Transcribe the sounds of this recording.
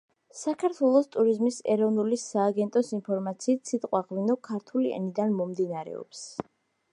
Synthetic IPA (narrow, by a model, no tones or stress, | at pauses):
sakʰaɾt̪ʰwɛlˠɔst̪ʼuɾizmisɛɾɔvnulisaːɡɛnt̪ʼɔsinpʰɔɾmat̪sʰiːt̪ʰsʰit̪ʼqʼwaʁvinɔkʰaɾt̪ʰuliɛ̰nid̪anmɔmd̪inaɾɛ̰ɔ̰ps